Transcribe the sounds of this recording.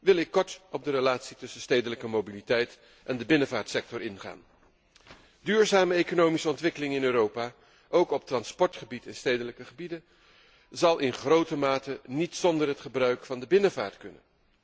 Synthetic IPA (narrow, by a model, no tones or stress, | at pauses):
ʋɪlˠɪkːɔɹtɔb̚dərəlaːtsitɵsənstejdələkəmowbilitɛjt | ʔɛndəbɪnəvaːɹtsɛk̚tɔɹɪnχa̰ːn | dyːɹzaːməejkonowmisəɔntʋɪkəlɪŋɪnøːɾowpaː | ʔowkɔp̚trɑnspɔɹtχəbitɪnstejdələkəχəbidən | zɑlˠʔɪnχrowtəmaːtənitsɔndərɦətχəbrœɥkfɑndəbɪnəva̰ːɹtkɵnə̰